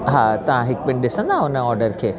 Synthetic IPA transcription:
ɦat̪ɐʋ̤ãɦɪk̚bɪɳɗɪsə̃nd̪aɦʊnəɔːɾɖəɾkʰeː

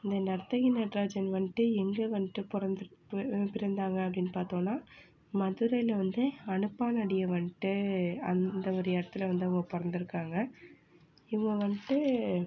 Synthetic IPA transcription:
ɪnd̪ɐnɐɾt̪ːɐɣɪnɐʈɾaːd͡ʒɐnʋɐɳɪʈːɯɛŋɡɐʋɐnɪʈːɯpɾɐnd̪pɪɾɐnd̪aːŋɡɐɐp̬ːɐɽɪnːɯpaːɾt̪õːnːaː | mɐðɯɾɐɪlɐʋɐnd̪ɯɐnɯpːaːnɐɽɪjɐʋɐɳɪʈːɯɐ̰nd̪ɐɔɾɯjɐɛɽɐt̪ːɯlɐʋɐnd̪ɯʊŋɡɐpɔɾɐnd̪ɯɾɯkːaːŋɡɐ | ɪŋɡɐʋɐɳɪʈːɯ

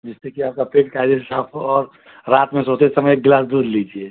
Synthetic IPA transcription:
d͡ʒɪstekiaːp̚kapeːʈkaːɪd̪eesaːpʰoɔːɾ | ɾaːt̪mẽsoːt͡ʃ̪esɐməjek̚ɡlaːsd̪uːɾlid͡ʒie

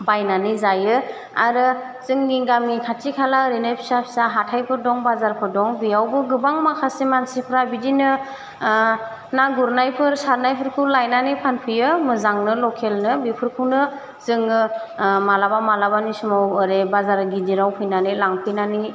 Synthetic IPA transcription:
bajnanizajɯ | aɾɯ | z̥ɯŋːiɡamikʰatʰikʰalaɾinajpʰi̥sapʰi̥saɦatʰajpʰɯɾdɔŋbazaɾpʰɯɾdɔŋbijawbɯɡɯbaŋmakʰasemansipʰɾabidinɯ | naɡuɾnajpʰɯɾsaɾnajpʰɯɾkʰulajnanɯpʰanpʰɯjɯmɯzaŋnɯlɔkʰelnɯbipʰɯɾkʰɯnɯ | z̥ɯŋɯmalabamalabanisumawɯɾebazaɾɡidiɾawpʰɯjnanɯlaŋpʰɯjnani

